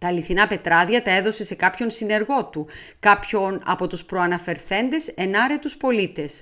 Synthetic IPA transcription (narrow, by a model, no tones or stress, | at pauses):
t̪ɐːliθinɐpe̞t̪ɾɐðʝɐt̪ɐe̞ðo̞se̞se̞kɐpço̞nsine̞ɾɣo̞t̪u | kɐpço̞nɐ̰po̞t̪uspɾoɐnɐfe̞ɾθe̞nd̪e̞se̞nɐɾe̞t̪uspo̞lit̪e̞s